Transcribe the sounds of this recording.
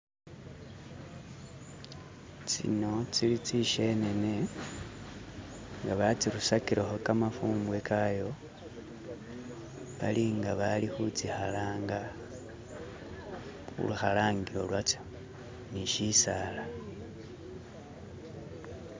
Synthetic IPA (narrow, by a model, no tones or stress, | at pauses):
t͡sḭno̞t͡silit͡siʃene̞ne̞ | ŋɡaβat͡siɾusakiɾʔexokamafuːmbwe̞kʰajo̞ | βaliŋɡaβalixut͡sixalaːŋɡa | xṵluxalaːŋɡiɾo̞lwat͡ʃḁ | niʃisala